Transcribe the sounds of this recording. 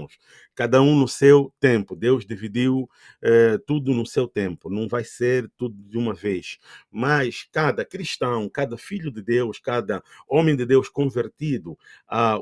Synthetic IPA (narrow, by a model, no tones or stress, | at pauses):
ʊʃ | kad̪ɐũnʊsewt̪ẽmpud̪ewʒd̪ivid̪iw | ɛt̪ud̪unʊsewt̪ẽmpunɐ̃w̃vajseɾt̪ud̪ud̪ũmɐveʃmaʃkad̪ɐkɾiʃt̪ɐ̃w̃kad̪ɐfiʎud̪ɨd̪ewʃkad̪ɐõmẽj̃d̪ɨd̪ewʃkõveɾt̪id̪ua